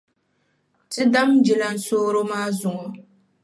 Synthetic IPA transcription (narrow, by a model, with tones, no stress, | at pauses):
tɨ˦da˦md͡ʒi˨la˨n̩˦soː˦ɾo˦maː˦zʊ˨ŋɔ˨